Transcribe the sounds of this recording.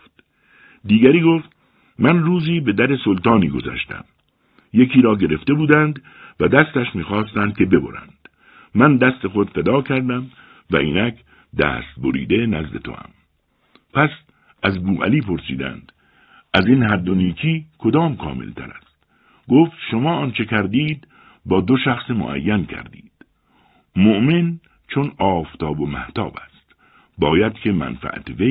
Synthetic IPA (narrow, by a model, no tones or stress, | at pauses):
t̪ | d̪iːɡæɾiːɡoːft̪ | mænruːziːbe̞d̪æɾesolt̪ɒːniːɡo̞̰zæ̰ʃt̪æ̰m | je̞kʰiːɾɒːɟe̞ɾe̞ft̪e̞buːd̪ænd̪ | væd̪æst̪æʃmiːxɒːst̪ænd̪̚kʲe̞be̞bo̰ɾæ̰nd̪̥ | mænd̪æst̪e̞xo̞d̪fed̪ɒːkʰæɾd̪æm | væ̰ʔḭːnæk | d̪æ̰ːst̪̚boɾḭːd̪e̞næzd̪e̞̰t̪ʰo̰æ̰m | pʰæs | ʔæzbuːæ̰liːpʰo̞ɾsiːd̪æ̰nd̪̥ | æzinhæd̪ːoniːkʰiːkʰo̞d̪ɒːmkʰɒ̰ːmḛlt̪ʰæɾæst̪ | ɡoːft̪ʃomɒːɒːnt͡ʃʰekʰæɾd̪iːd̪ | bɒːd̪o̞ʃæxsemo̰ʔæ̰jːænkʰæ̰ɾd̪iːd̪̥ | moʔmen | t͡ʃʰonɒːft̪ʰɒːbo̞mæ̰ht̪ʰɒ̰ːbæst̪ | bɒːjæd̪̥kʰe̞mæ̰nfæ̰ʔæ̰t̪ʰeve